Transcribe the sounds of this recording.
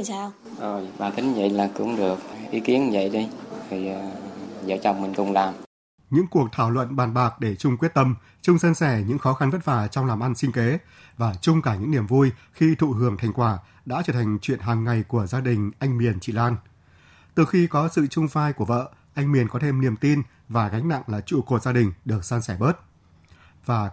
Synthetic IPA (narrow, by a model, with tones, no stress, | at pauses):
aː˧w | ʔo˨˩jɓaː˨nt̪ʰi˨˦ŋzə̰˧˨jlaː˨˩kʊ̰˧˥ŋ͡mɗɨ˨˩ək̚ʔi˨˦ki˨˦ənzə̰˧˨jɗi˧t̪ʰi˨˩˨zə̰ː˧˦t͡ɕɔ̰˧˨wmï˨˩ŋ̟kʊ˨˧˩ŋ͡mlaː˨˩m | ɲɨ̰˧˥ŋku˨˩ək̚t̪ʰaː˧˩wlwə̰˧˨nɓaː˨˩nɓaː˨˩k̚ɗe˧˩t͡ɕʊ˧ŋ͡mkwi˦˥ət̚t̪ə˧m | t͡ɕʊ˧ŋ͡msə˧nsɛ˧˩ɲɨ̰˧˥ŋxɔ˨˦xa˧nvə˦˥t̚faː˧˩t͡ɕɔ˧wŋ͡mlaː˨˩mʔa˧nsï˧ŋ̟ke˨˦ | vaː˨˩t͡ɕʊ˧ŋ͡mkaː˧˩ɲɨ̰˧˥ŋni˧˩əmvu˧jxi˧t̪ʰṵ˧˨hɨ˧˩əŋt̪ʰa˨˩jŋ̟kwaː˧˩ | ɗa̰ː˧˥t͡ɕəː˧˩t̪ʰa˨˩ŋ̟t͡ɕwḭ˧˨ənɦaː˨˩ŋːa˨˩jku˧˩əzaː˧ɗï˨˩ŋ̟ʔa˧jŋmi˨˩ənt͡ɕḭ˧˨laː˧n | t̪ɨ˨˩xi˧kɔ˨˦sɨ̰˧˨t͡ɕʊ˧ŋ͡mfaː˧jku˧˩əvə̰ː˧˨ʔa˧jŋ̟mi˨˩ənkɔ˨˦t̪ʰe˧mni˨˩əmt̪i˧n | vaː˨˩ɣa˨˦jŋ̟na̰˧˨ŋlaː˨˩t͡ɕṵ˧˨ko˨˩t̚zaː˧ɗï˨˩ŋ̟ɗɨ˨˩ək̚sə˧nsɛ˧˩ɓəː˦˥t̚ | vaː˨˩